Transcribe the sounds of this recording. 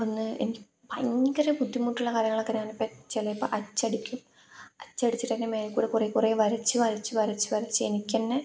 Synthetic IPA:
onːɨʔenikʲ | pɐɲːikːɐrepud̪ːimːuːʈːuɭːɐkaːɾjɐŋːɐɭokːɐɾaːɳipːet͡ɕːelɐipːo̰ʔɐt͡ɕːɐɽikʲːum | ɐt͡ɕːɐɽit͡ɕːiʈːɐnːeme̞ːlkuːɾekureːkureːʋɐɾɐt͡ɕːɨʋɐɾɐt͡ɕːɨʋɐɾɐt͡ɕːɨʋɐɾɐt͡ɕːɨenikʲːenːe

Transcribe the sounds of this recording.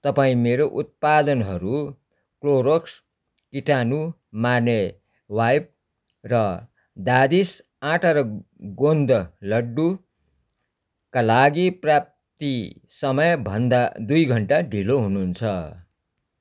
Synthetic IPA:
t̪ʌpaĩmeɾoʔut̪̚pad̪ʌnɦʌɾu | kloɾoks | kiʈanu | mane | wajp̚ | rʌ | d̪ad̪is | ãʈʰʌɾʌ | ɡond̪ʌlʌɖːu | kalaɡiprap̚ | t̪isʌmʌjbʱʌnd̪ad̪ujɡʱʌɳʈaɖʱiloɦununt͡sʰʌ

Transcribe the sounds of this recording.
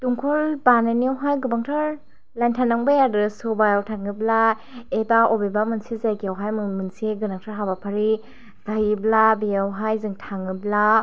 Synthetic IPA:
tuŋkʰɔlbananiawɦajɡɯbaŋtʰɯɾ | lajntʰanaŋbajadɯsɔbajawtʰaŋɯbla | ebaobebamɯnsizajɡiawɦajmɯmɯnseɡɯnak̚tʰaɦabapʰaɾi | zajiblabejawɦajzɯŋtʰaŋɯbla

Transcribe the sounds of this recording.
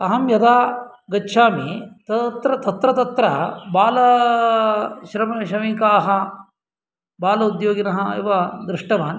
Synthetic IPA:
ɐɦɐmjɐd̪aː | ɡɐtːʃʰaːmit̪ɐt̪ɾɐt̪ɐt̪ɾɐt̪ɐt̪ɾɐbaːlɐ | ʃɾɐmɐʃɾɐmikaːɦɐ | baːlɐud̪joːɡɐnɐɦɐḭʋɐd̪ɾɪʂʈɐʋaːn

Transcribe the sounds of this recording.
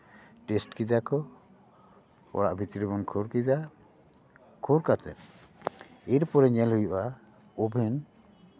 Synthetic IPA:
ʈɛsʈkid̪akɔ | ɔ̰ɽa̰ʔbʱit̪ɾibɔnkʰɔɾkid̪a | kʰɔɾkat̪ɛ̰p | iɾpɔɾɛɲɛlɦujɔʔa | ɔbʱɛn

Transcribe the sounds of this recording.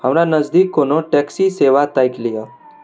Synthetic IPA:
ɦəmɾanəzd̪iːkːonoʈɛksiseʋat̪ajklija

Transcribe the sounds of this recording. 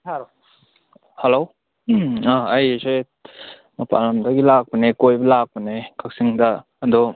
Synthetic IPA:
helo | aɐjsej | mɐpa̰lamdaɡilak̚pənekojbɐlak̚pənekʰak̚siŋdaː | d̪ɔ

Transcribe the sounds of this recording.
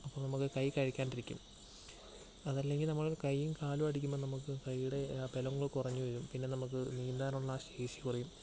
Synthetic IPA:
ɐpːoːmnɐmukːɨkɐjkɐɻikʲːaːnɖiɾikʲːṵm | ɐðɐlːe̞ŋɡilnɐmːɐɭkɐjːimkaːlumɐɽik̬ʲːumennɐmukːɨkɐjːuɽe̞pe̞lɐŋːɐɭkurɐɲːuʋɐɾumpinːe̞nɐmuk̬ːɨniːnd̪aːnuɭːɐːɕeːʂikurijum

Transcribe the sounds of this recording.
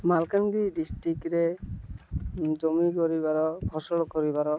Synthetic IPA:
malkandiɖisʈɾikɾe | d͡ʒɔmikɔɾibaɾɔbʱɔsɔɽɔkɔɾibaɾɔ

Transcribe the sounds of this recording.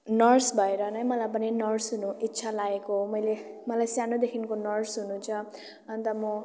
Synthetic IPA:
nʌrsbʱʌeɾʌnʌjmʌlajpʌninʌrsɦunuitːsʰalaekomʌjle | mʌlajsjanod̪ekʰinkonʌrsɦunut͡sʰʌ | ʌnt̪ʌmo

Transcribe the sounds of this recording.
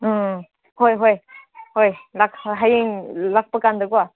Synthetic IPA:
hojɦojhojlak̚ɦajiŋlak̚pakand̪ɯɡuwa

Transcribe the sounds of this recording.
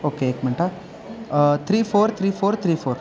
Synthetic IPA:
oːkeeːkmɐɳʈa | t̪ʰɾiːfʰoːɾt̪ʰɾiːfʰoːɾt̪ʰɾiːfʰoːɾ

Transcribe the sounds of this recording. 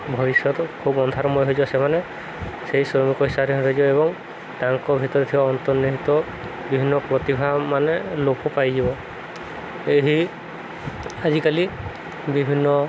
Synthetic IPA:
bʱɔɾisjɔt̪ɔkʰubɔnd̪ʱaɾɔmɔjɦojd͡ʒibɔsemane | seɦisɾɔmikɔɦisaɾiɦɔ̃ɾɔid͡ʒibɔebɔŋ | ʈaŋkɔbʱit̪ɔɾet̪ʰibaɔnt̪ɔniɦit̪ɔ | bibʱinːɔpɾɔt̪ibʱamanelokupajd͡ʒibɔ | eɦi | ad͡ʒikali | bibʱinːɔ

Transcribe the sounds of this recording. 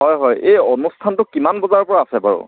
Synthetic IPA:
ɦɔjɦɔjejɔnustʰantʊkimanbɔzaɹɔpɔɹaːsɛbaɹʊ̰

